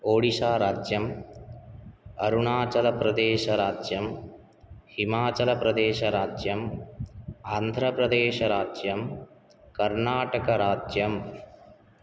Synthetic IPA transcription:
oːɽisaːɾaːd͡ʒjɐm | ɐɾuɳaːt͡ʃɐlɐpɾɐd̪eːʃɐɾaːd͡ʒjɐm | himaːt͡ʃɐlɐpɾɐd̪eːʃɐɾaːd͡ʒjɐm | aːnd̪ʱɾɐpɾɐd̪eːʃɐɾaːd͡ʒjɐm | kɐɾɳaːʈɐkɐɾaːd͡ʒjɐm

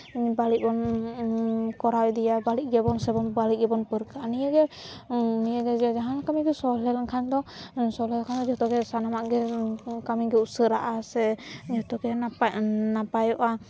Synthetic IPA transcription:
baliʔ̚bɔn | kɔɾawɛd̪ijabaliʔ̚ˀɡɛbɔnsɛbɔnbaliʔ̚ɡɛbɔnpəɾkaʔanijaɡɛ | nijaɡɛd͡ʒd͡ʒaɦankamiɡɛsɔlɛlakʰand̪ɔsɔlɛlkʰand̪ɔd͡ʒɔt̪ɔkɛsanamaʔɡɛkamiɡɛusəɾaʔasɛd͡ʒɔt̪ɔkɛ | napajɔʔa

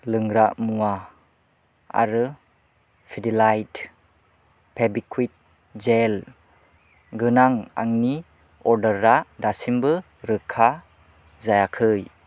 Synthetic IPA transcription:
lɯŋɾaʔmua | a̰ɾɯ | pʰidilajt | pʰebikʰwuit̚ | d͡ʒel | ɡɯnaŋa̰ŋni | ɔɾdəɾːadasimbɯ | ɾɯkʰa | zajakʰɯj

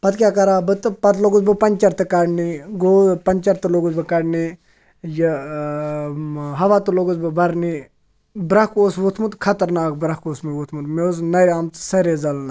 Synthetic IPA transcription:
pɐt̪kʲjaːkɐɾaːbɨt̪ɨpɐt̪ʰloɡuzbɨpɐnʲt͡ʃɐɾt̪ɨkaɽniɡopɐnʲt͡ʃɐɾt̪ɨloɡuzbɨkɐɽni | jɐ | ɦɐʋaːt̪uloɡuzbɨbɐɾni | bɾɐkoːsʋut̪ʰmut̪kʰɐt̪ɐɾnaːk̚bɾɐkoːsmiʋut̪ʰmut̪meznɐɾaːmt̪sɐɾezɐlna

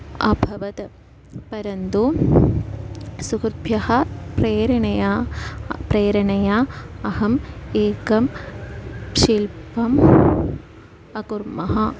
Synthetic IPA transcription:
ɐ̰bʱɐʋɐt̪ | pɐɾɐnd̪u | sukʰɾbʱjɐhɐpreːɾɐɳɐja | preːɾɐɳɐjaɐhɐmeːkɐm | ʂilpɐm | ɐkurmɐɦɐ

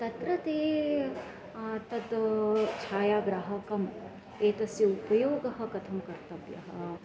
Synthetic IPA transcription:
t̪ɐt̪ɾɐt̪eː | t̪ɐd̪t͡ʃʰaːjaːɡɾaɦɐkɐm | eːt̪ɐsjɐupɐjoːɡɐɦɐ̆kɐt̪ʰɐmkɐɾt̪ɐbjɐ̰ɦɐ

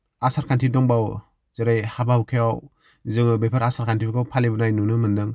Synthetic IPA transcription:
asaɾkʰantʰidɔŋbaw | zɯɾajhabahukʰea | zɯŋɯbepʰaɾasaɾkʰantʰibɯkawpʰalibɯnajnunɯmɯndɯŋ

